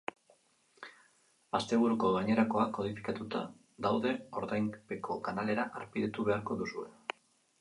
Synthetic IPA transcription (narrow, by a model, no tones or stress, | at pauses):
ast̪e̞β̞uɾuko̞ɣaɲe̞ɾako̞akːo̞ðifi̥kat̪ut̪a̰ | d̪awðe̞o̞ɾðajmpe̞kʰo̞kanale̞ɾaʔaɾpiðet̪uβe̞aɾko̞ðusue̞